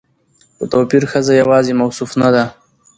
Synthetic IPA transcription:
xot̪oːpiɾxəzajawɑːzemawsufnad̪a

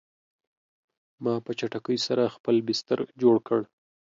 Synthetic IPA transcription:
mɑpət͡ʃaʈakəjsaɾaxpəlbɪst̪əɾd͡ʒoɽkəɽ

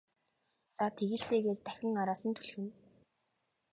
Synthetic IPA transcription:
t͡sat̪ʰeɣɘ̆ɬt̪eːɣeːrt̪æxʲɪ̆ŋaɾaːsə̆nt̪ʰu̥ɮxɘ̆n

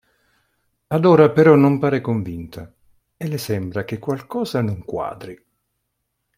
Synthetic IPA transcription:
ad̪ɔːɾapeɾɔnːʊmpaːɾekoɱvint̪ʰa | ɛlːesɛmbɾak̟ekːwalkɔːzanʊŋkwa̰ːd̪ɾi

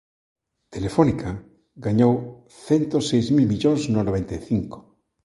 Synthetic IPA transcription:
t̪elefonika | ɡaɲow | θɛnt̪osejzmilmiʎoŋznonoβent̪ejθiŋko̥

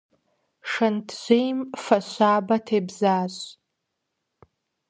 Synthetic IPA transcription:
ʂantʰʒʷejmfaɕʷaːbatʰejbzaːɕʷ

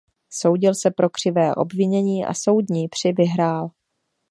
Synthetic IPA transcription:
so̞wɟɪlsɛpɾo̞kr̝̥ɪvɛːʔo̞̰bvɪɲɛɲiːʔa̰so̞wdɲiːpr̝̥ɪvɪɦɾaːl

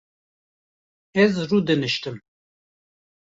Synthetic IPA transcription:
ɛzruːd̪ɨnɨʃt̪ɨm

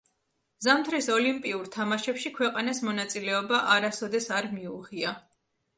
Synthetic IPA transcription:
zamt̪ʰɾisɔlimpʼiuɾt̪ʰamaʃɛpʃikʰwɛqʼanasmɔnat̪sʼilɛɔbaʔaɾasɔd̪ɛsaɾmiuʁia

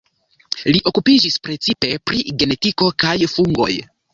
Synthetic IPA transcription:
liʔo̞kupid͡ʒispɾe̞t͡sipe̞pɾiɡe̞ne̞tiko̞kajfuŋɡo̞̰j

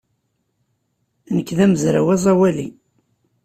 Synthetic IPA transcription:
nəkːðæməzɾawæzˤɑwæli

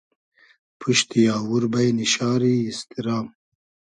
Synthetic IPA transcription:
pʰuʃt̪ijɑːwuɾbajniʃɑːɾiːst̪iɾɑːm

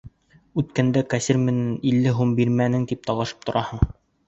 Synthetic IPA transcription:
ʉt̪kænd̪ækasʲiɾmɘ̆nænilːɘɦumbiɾmænɘŋt̪ip̚t̪ɒwɑʃɤ̥p̚t̪ŏɾʔɑhɤɴ

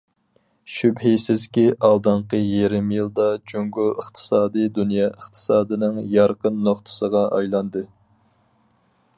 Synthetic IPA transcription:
ʃybɦejsɪzkʲiʔɑlˠd̪ɑɴqəjeɾɪmjilˠd̪ɑd͡ʒoŋɡuəχt̪ʰɨ̥sɑːd̪ɨd̪unjɑʔəχt̪ʰɨ̥sɑːd̪ɨnɨŋjɑɾqənːoχt̪ʰə̥səʁɑʔɑjlˠɑnd̪ɨ

